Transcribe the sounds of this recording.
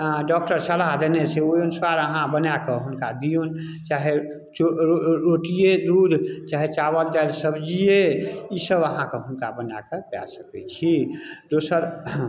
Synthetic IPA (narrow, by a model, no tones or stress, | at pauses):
ɖɔk̚ʈəɾsəlaɦd̪əneseojonswaɾəɦãbənakeɦunkad̪ijon | t͡ʃaːɦe | t͡ʃoɾoʈijed̪ɾud̪ʱt͡ʃaːɦet͡ʃabəld͡ʒalsəbd͡ʒijeisəbəɦãkeɦʊnkabəna̰kepja̰səkɛt͡ʃʰid̪osəɾ